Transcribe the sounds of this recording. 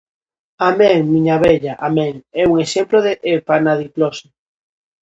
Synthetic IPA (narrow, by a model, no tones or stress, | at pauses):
amẽŋmĩɲaβɛʎaʔamẽŋɛuŋesemploðeʔepanaðiplose